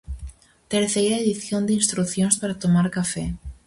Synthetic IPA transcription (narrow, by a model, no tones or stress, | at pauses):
t̪eɾθeɾaeðiθjo̞nd̪einst̪ɾuθjonspaɾat̪omaɾkafe